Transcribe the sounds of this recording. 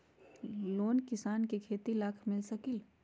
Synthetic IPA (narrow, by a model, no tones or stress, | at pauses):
loːnkɪsaːnkikʰeːt̪ilaːkʰmɪlsəkɪl